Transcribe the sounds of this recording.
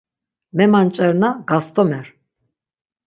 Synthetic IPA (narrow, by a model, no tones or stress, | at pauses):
mɛmant͡ʃʼɛɾnaɡast̪ʼɔmɛɾ